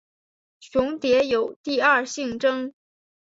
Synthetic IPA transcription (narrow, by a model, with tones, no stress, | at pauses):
ɕʊ˧˥ŋt̪jɛ˧˥jo˨˩ʊt̪i˥˧ɐ˞˥˧ɕi˥˩ŋʈ͡ʂɤ˥ŋ